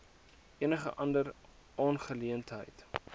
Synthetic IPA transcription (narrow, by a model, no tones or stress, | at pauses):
ʔiənəχəʔɐndər | ʔɑːnχəliəntɦə̰jt